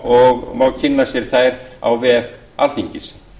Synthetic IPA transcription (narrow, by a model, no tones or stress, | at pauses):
ɔɣmawɣcʰɪnːasjɛɾ̥θaːjɾa̰wvɛːɛf | a̰l̥t̪iɲcɪs